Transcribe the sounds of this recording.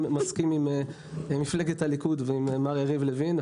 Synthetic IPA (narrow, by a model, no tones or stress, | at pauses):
maskimim | mifleɡethalikudveimmaʁeʁivlevin